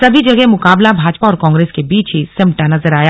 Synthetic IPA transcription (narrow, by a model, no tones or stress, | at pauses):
sɐbʱid͡ʒɐɡɛmʊkaːblabʱaːd͡ʒpaɔːɾkɔ̃ːŋɡɾeːskebiːt͡ʃɦisɪ̃mʈanɐzəɾaːja